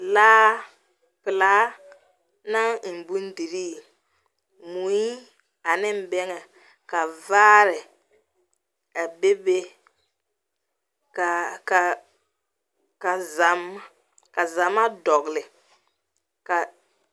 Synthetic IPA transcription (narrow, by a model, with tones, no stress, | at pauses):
laː˦ | pɪ˨laː˦ | na˦ŋ̩˨m˨bu˦n˦di˨ɾiː˦˨ | mu˨˦i˦ | a˨nɪ˦m˦bɛ˦ŋɛ˨ | ka˨vaː˦ɾɪ˨ | a˨be˦be˦ | ka˨ka˨ | ka˨za˨˦ma˦ | ka˨za˨ma˦dɔ˨ɣlɪ˨ | ka˨